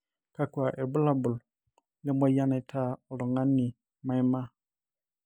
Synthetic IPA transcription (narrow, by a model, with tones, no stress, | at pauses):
kʰa˨kʰʊ˨a˨ʔɛ˨bʊ˦la˦bʊ˨l | nɛ˦mɔ̃˦ja˦nɪ̃˨˦tʰaː˦˨ɔ˨lʊ˨ŋã˦nɪ̃˨ | mã˦ɪ˦mã˦